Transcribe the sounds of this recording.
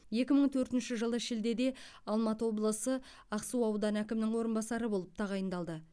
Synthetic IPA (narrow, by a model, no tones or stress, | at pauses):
je̞kʲɪməɴt̪ʰɵɾt̪ɪnʃɪʒəlˠəʃɪld̪e̞d̪e̞ɑlˠmɑt̪əwo̞blˠəsə | ɑqsuɑwd̪ɑnækʲɪmnɪŋwo̞ɾənbɑsɑɾəbo̞lˠəp̚t̪ʰɑʁɑjənd̪ɑlˠd̪ə